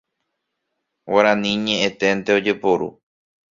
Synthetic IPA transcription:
waɾãnĩɲẽʔẽt̪e̞nt̪e̞od͡ʒe̞poɾṵ

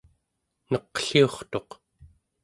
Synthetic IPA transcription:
nʌqɬioχt̪o̞q

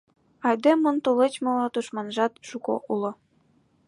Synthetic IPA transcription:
ɑjd̪emːont̪ulet͡ɕmŏlɑt̪uʃmɑnʒɑt̪ʃuko̰ʔulŏ

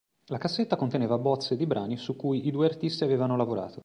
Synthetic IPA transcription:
lakasːet̪ːakont̪eneːvabɔt̪sːed̪ibɾʔaːnisukːujid̪uːeart̪ist̪iaveːvanolavoɾa̰ːt̪o

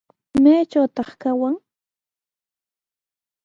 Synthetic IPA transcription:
maːt͡ʃawt̪ɑχkawaŋ

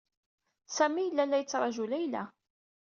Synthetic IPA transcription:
sæmijəlːælːæjət͡sːɾˤɑʒulæjlæ̰

